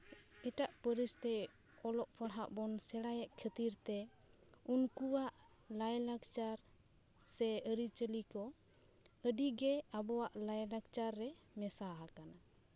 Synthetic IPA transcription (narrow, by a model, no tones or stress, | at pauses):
ɛʈaʔpəɾist̪ɛ | ɔlɔʔpʰaɽɦa̰ʔbɔnsɛɽajɛʔkʰət̪iɾt̪ɛ | unkuwaʔ | lajlakt͡ʃaɾ | sɛəɾit͡ʃəlikɔ | əɖiɡɛabɔwaʔlajlaɡt͡ʃaɾːɛ | mɛsaɦakana